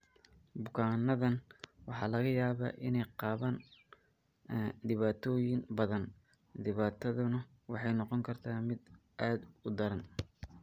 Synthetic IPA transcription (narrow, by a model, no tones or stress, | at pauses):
bʊkʰaːnːɐðɐnwɑħɑ̰ːlɐɣɐjaːβa̰ːʔɪnɛjqɑːβaːn | d̪ɪβaːt̪ʰɔːjɪŋbɐðɐn | d̪ɪβaːt̪ʰɐðʊnɐ | wɑħɑjnɔqɔŋkʰɐrt̪ʰaːmɪd̪ʔaːd̪ʊd̪ɐɾɐn